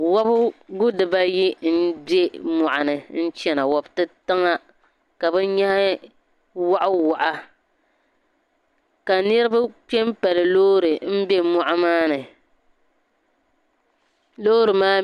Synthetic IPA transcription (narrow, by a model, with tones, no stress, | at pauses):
wa˦bɡʊ˦dɨ˨ba˦ji˦n̩˦be˦mɔ˨ʔa˨nɨ˨n̩˦t͡ʃɛ˨na˨wa˨btɨ˦ta˦ŋa˦ | ka˨bɨ˦ɲa˦h | wa˦ʔʊ˦wa˨ʔa˦ | ka˨nɪ˦ɾɨ˦ba˦k͡pɛ˦mpa˨lɨ˨loː˦ɾɨ˨m̩˦be˦mɔ˨ʔa˦maː˦nɨ˨ | loː˦ɾɨ˨maː˦